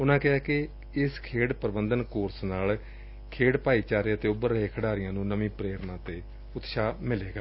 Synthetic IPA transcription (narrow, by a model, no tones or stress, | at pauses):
ʊnãːkɪɦaːkɪ | ɪskʰeːɽpəɾbənd̪ənkoːɾsnaːl | kʰeːɽpaːiːt͡ʃaːɾeːət̪eːʊbəɾːəɦeːkʰəɽaːɾɪjãːnũːnəmĩːpɾeːɾnãːt̪eː | ʊt̪ʃaːmɪleːɡaː